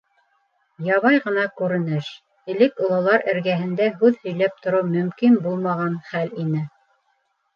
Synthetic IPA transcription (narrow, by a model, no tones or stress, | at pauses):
jɑβɑjʁɤ̆nɑkʉɾɘ̆nɘʃ | ɘ̆lɘkŭlˠɑlˠɑɾʔɘ̆ɾɡæɦɘ̆nd̪æɦʉðhɵ̆jlæp̚t̪ŏɾɤwmɵ̆mkinbulˠmɑʁɑnχælinɘ